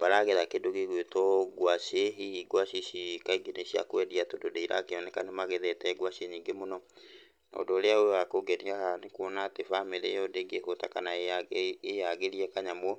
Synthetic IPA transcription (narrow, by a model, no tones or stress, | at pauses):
b̥aɾaɣeðakedoɣeɣwetɔɡwaɕeiɡwaʃiʃikaiɡeneɕia̰kwɛdiatododeiɾa̰keɔnɛkanemaɣeðɛtɛɡwaɕeniːŋɡemonɔ | nɔ̰dɔɾeaoewakoɡɛniahanekwɔnatefameɾejɔdeɡekotakana | ejaɣeɾiɛkaɲamɔ